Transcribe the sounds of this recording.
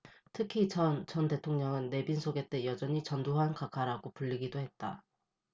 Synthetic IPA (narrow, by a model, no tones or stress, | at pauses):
tʰɯkʰiʌt͡ɕʌnde̞tʰoŋɲʌŋɯnːe̞binsʰoɡe̞t͈e̞jʌd͡ʑʌɲit͡ɕʌnduɦankakʰaɾaɡopuʎːiɡidoɦe̞t̚t͈a